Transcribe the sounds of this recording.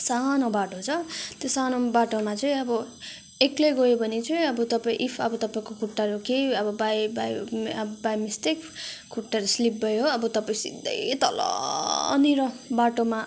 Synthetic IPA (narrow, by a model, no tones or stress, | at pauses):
sanobaʈot͡sʰʌt̪josanobaʈomat͡sʌĩʌbʌ | ekleɡojobʱʌnit͡sʌĩʌbʌt̪ʌpaḭ̃ʔipʰʌbʌt̪ʌpaĩkokʰuʈːaɾukeʌbʌbajbajbajmist̪ekkʰuʈːaɾoslip̚bʌjoʌbʌt̪ʌpaĩsḭd̪ːʌ̰jt̪ʌ̰lʌ̰niɾʌbaʈoma